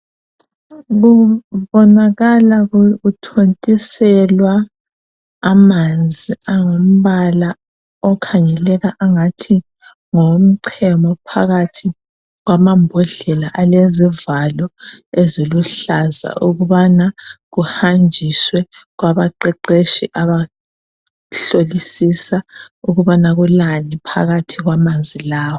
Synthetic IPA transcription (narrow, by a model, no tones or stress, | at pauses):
ɣuβɔnaɣalaɣuutʰontʼisɛlwaː | mand͡zʱiaŋom̩βala | ɔkʰaɲɛlɛɣaʔaŋatʰi | ŋom̩ǀʰɛmɔpʰaɣatʰi | ɣwamambʱɔɮɛlaʔalezivalɔeziluɬaza̰ʔuɣuβanaɣuhand͡ʒʱiswɛɣwaβaǃɛǃeʃḭʔaβa | ɬolisisauɣuβanaɣulanipʰa̰ɣatʰiɣwamand͡zʱilaːwɔ